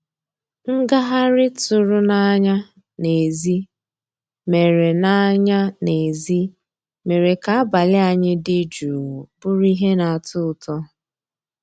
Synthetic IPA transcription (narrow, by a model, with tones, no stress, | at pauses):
ŋ̩˦ɡa˦ɦa˦ɾɪ˦tʊ˨ɾʊ˦na˦ɲa˦ | ne˨zi˦ | me˨ɾe˨na˦ɲa˦ne˨zi˦ | me˨ɾe˨ka˨a˦ba˨lɪ˦a˨ɲɪ˦dɪ˦d͡ʒu˨ɾu˨bʊ˦ɾi˦ɦe˦na˨a˨tʊ˦ʊ˨tɔ˦